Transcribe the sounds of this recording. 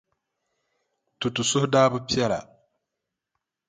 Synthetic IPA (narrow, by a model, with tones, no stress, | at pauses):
tu˨tu˨sʊ˦hdaː˦bʊ˦pi˦ɛ˦la̰˨